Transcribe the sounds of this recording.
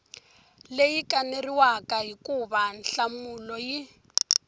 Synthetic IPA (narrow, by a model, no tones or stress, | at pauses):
lejikʼaneriwakʼaɦikʼuban̩ɬamulɔji